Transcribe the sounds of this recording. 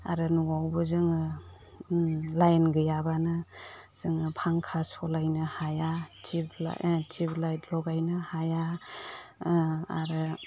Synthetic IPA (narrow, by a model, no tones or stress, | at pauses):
a̰ɾɯnuwawbɯzɯŋɯ | lajnɡɯjabanɯz̥ɯŋɯpʰaŋkʰasɔlajnɯhajatʰipla̰tʰiblajtlɔɡajnɯhaja | a̰ɾɯ